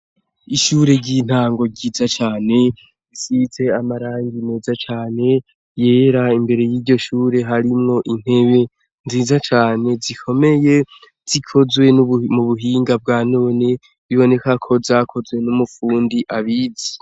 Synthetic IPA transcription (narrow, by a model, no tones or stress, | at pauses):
iʃuːɾe̞ɟiːn̥haːŋɡo̞ɟiːzat͡ʃaːne̞ | isit͡se̞amaɾaːŋɡine̞ːzat͡ʃaːne̞ | je̞ːɾaimbe̞ɾe̞jiːɾɟo̞ʃuːɾe̞ɦaɾimŋo̞ʔin̥he̞βe̞ | nziːzat͡ʃaːne̞zikʰo̞me̞je̞ | z̥ikʰo̞zwe̞muβuɦiːŋɡab̚ɡaːno̞ːne | βiβo̞ne̞kakʰo̞zaːkʰo̞zwe̞numufuːndiʔaβiːzi̥